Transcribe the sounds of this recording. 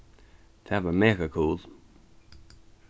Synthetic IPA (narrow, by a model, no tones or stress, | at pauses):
t̪ʰavəmɛːkəkʰuːlˠ